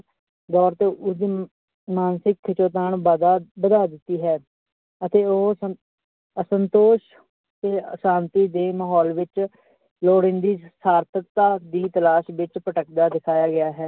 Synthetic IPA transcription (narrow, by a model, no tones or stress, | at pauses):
d̪ɔːɾt̪eːʊd̪iː | maːnsɪkkʰːɪt͡ʃoːt̪̬aːɳbəd̪aːbəd̪aːd̪ɪt̪ːiːɦɛː | ət̪eːoːə | əsənt̪oːʃ | t̪eːəʃãːnt̪iːd̪eːməɦɔːlʋɪt͡ʃ | loːɽɪ̃nd̪iːsaːɾt̪ʰəkt̪aːd̪iːt̪əlaːʃʋɪt͡ʃpəʈəkd̪aːd̪ɪkʰaːjaːɡɪjaːɦɛː